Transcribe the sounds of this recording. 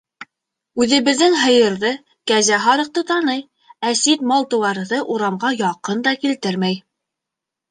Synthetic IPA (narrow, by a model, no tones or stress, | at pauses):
ʉðɘ̆βɘ̆ðːɘŋɦɤ̆jɤ̆ɾðɤ | kæzæɦɑɾɤ̆q̚t̪ɤt̪ɑnɤj | æsit̪mɑlˠt̪ɤ̆wɑɾɤðɤʔuɾɑmɢɑjɑqɤnd̪ɑkilt̪ɘɾmæj